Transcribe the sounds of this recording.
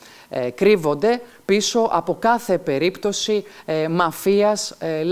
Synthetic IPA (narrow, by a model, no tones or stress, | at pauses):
kɾivo̞nd̪e̞ | piso̞ʔɐpo̞kɐθe̞pe̞ɾipt̪o̞simɐfiɐsl